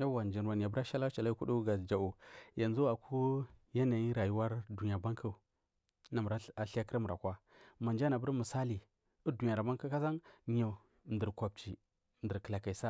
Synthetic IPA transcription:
a˦wa˨nd͡ʒi˨n˨wa˨n˨ja˨bə˦ɾa˦ʃa˦la˦t͡ʃa˨la˦ku˦du˦ɡa˨d͡ʒa˨u˨ja˨nzu˦a˨ku˦ja˦na˨ji˦ɾa˨ju˦wa˦ɾdu˨ni˨a˨ba˦ŋkʰa˦˨ | na˨m˨ɾa˦a˨ɬa˦kə˦ɾa˦mu˨ɾa˨kʷa˦ | ma˨nd͡ʒa˦na˨bə˦ɾmə˨sa˦li˨ | u˦du˨n˨a˨ɾa˨ba˦ŋka˦ka˦za˦nɲa˨ | ndə˨ɾkʷa˨b̚t͡ʃi˨ | ndə˨ɾkə˨la˨ka˨i˨sa˦

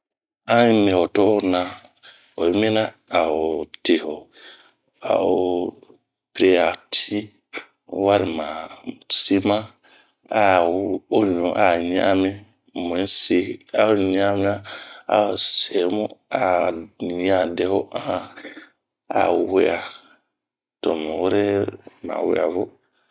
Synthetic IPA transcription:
ã˦mĩ˨hɔ˨tɔ˦nã˦ | ɔ˨˦mĩ˦nã˦ | a˨o˨tʰe˨hɔ˨ | a̰˨o˨ | pɾe˦a˨tʰi˦ | wa˦ɾɪ˨mãː˨si˦mã˦ | a˨o˦ɲɔ̃˨˦ʔa˨ɲ˦ã̰˦mɪ̃˦ | mõ˨˦si˦a˦o˦ɲa˦mi˦a˦a̰˦o˨se˨˦mũ˦a˦˨ɲ˦ã˨dɛ˦ho˦ʔã˦ | a̰˨we˦a˨ | to˨mu˨wu˦ɾe˦ma̰˨wḛ˦a̰˨vo˦

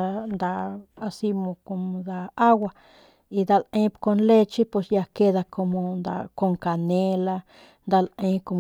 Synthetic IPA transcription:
nd̪a˧a˧si˧mõ˧ko˧mõ˧d̪a˧a˦wa˧ | i˧d̪a˧lẽ˧˦pko˧nle˦t͡ʃi˦pwe˧sja˧ke˦d̪a˧ko˧mo˧nd̪a̰˧ko˧ŋka˨ne˧la˧ | nd̪a˧lẽ˧˦ko˧m

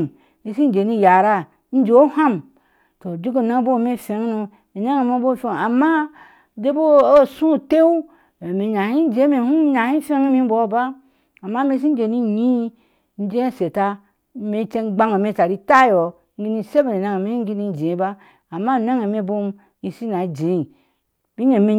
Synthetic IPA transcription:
i˨˦si˦n˦d͡ʒe˨ni˧˦ja˨ɾa˧ | n̩˦d͡ʒo˨˦ha˦m | to˨d͡ʒi˦ɡo˦na˦bo˦˨me˦˨fe˨˦ŋ˦nu˧ | i˨na˦ŋe˨me˦bo˦˨fe˦˨a˨ma˦ | de˦bo˦o˦˨sũ˦˨te˦u˦˨ | me˨ɲa˨hi˦n˦d͡ʒẽ˨˦me˨hũ˦ɲa˨hĩ˦fe˦ŋ˦mi˦bo˨˦˨ba˦ | a˨ma˦me˧s̬i˦n˦d͡ʒe˨ni˧ɲi˦ | n̩˦d͡ʒe˦˨se˨ta˧ | me˧t͡ʃe˧ɡ͡ba˧ŋo˨me˧ta˨ɾi˧ta˦˨jo˨ | ŋ˦ɡi˦ni˧˨se˦be˨ne˨na˧ŋ˨me˦ŋ˦ɡi˦˧ni˧˦˨d͡ʒe˨˦ba˦ | a˨mːa˦˨na˦ŋe˨me˧bo˦˧m | i˧si˦na˨˦d͡ʒẽ˨˦i˨ | bi˦ɲe˨me˧

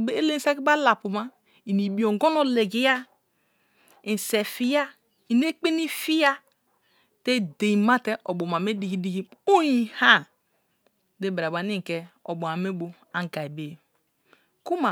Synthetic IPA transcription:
e˦e˦le˦n˦se˦ki˦ba˦la˨pu˨ma˦ | i˨ni˨bi˨o˨ŋ˦ɡo˦no˦le˨ɡi˨ja˦ | i˨n˨se˨fi˦ja˦ | i˨ne˦k͡pe˦ni˦fi˦ja˦ | te˦de˨i˨ma˦te˦ʔo˨bo˨ma˨me˦di˨ɡi˨di˨ɡi˦o˦ji˦ha˦ | de˦be˨ɾa˨ba˨ni˦˨ke˨o˨bo˨a˨me˦bo˨ | a˨ŋ˨ɡa˨i˨be˨ | ku˦ma˨

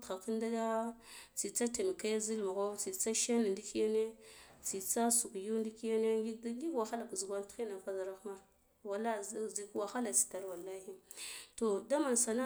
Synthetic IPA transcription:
txa˨ki˦nda˦a˦t͡si˨t͡sa˦te˨m˨ka˦zi˦lmu˨ɣo˦t͡si˨t͡sa˦ʃa˦n˨ndi˦ki˦ja˦ne˦t͡si˨t͡sa˦su˨kju˦ndi˦ki˦ja˦ne˦ɡi˦ɡi˦wa˨xa˦la˨kzu˨ɡʷa˦nti˦na˨ka˦za˨ɾa˦xma˦ | wa˨la˦˨zzi˨kwa˨xa˦la˨t͡si̥˨ta˨ɾwa˨lːa˦hi˦to˨da˦ma˨nsa˨na˦

